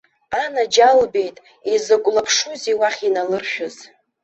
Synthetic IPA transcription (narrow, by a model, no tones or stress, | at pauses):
anad͡ʒalbe̞jtʼ | izɨɡʷʼlapʰʂuziwaχʲinalɨrʃᶣʊz̥